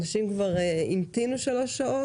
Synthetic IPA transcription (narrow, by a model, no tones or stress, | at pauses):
naʃimkvaʁeimt̪inuʃalo̞ʃao̞